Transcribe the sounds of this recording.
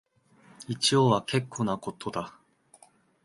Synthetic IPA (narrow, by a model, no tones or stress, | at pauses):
it͡ɕioβakʰe̞kʰːo̞ːnako̞t̪o̞d̪a